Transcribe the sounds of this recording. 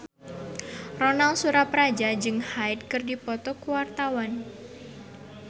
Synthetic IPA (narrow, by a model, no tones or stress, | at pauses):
rɔnalsuɾapɾad͡ʒad͡ʒɨŋhaɪt̪̚kɨrdipɔt̪ɔkuwart̪awan